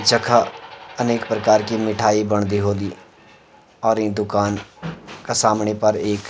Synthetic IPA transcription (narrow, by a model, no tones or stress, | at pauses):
d͡ʒəkʰaɐneːkpɾəkaːɾkimɪʈʰaːibɐɳ̃d̪iɦoːliː | ɔːɾed̪ʊkaːnkasaːmɳepɐɾeːk